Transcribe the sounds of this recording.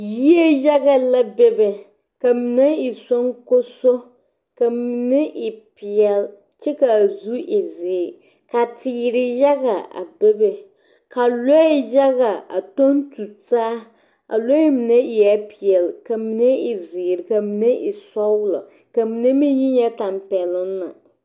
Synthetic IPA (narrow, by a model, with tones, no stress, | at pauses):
ji˦e˦ja˦ɡa˨la˦bɛ˦bɛ˨ | ka˨mi˨ne˦ɪ˨so˦ŋko˦so˦ | ka˨mi˨nɛ˦ʔɪ˨pɪ˨ɛ˨l | t͡ʃɛ˦ka˨zu˦ʔɪ˨zɪː˨ | ka˨tiː˨ɾɪ˨ja˦ɡa˨a̰˨bɛ˦bɛ˨ | ka˨lo˦ɪ˦ja˦ɣa˨a̰˨to˦n˦tu˨taː˦ | a̰˨lo˦i˦mi˨ne˦ɪ˨jɛ˦pɪ˨ɛ˨lka˨mi˨ne˦ɪ˨zɪː˨ɾɪ˨ka˨mi˨ne˦ʔɪ˨sɔ˦wʊ˦lɔ̰˨ | ka˨mi˨ne˦mi˦ji˦ɲ˦ɛ˦ta˨mpɛ˨lʊ˦nːa˨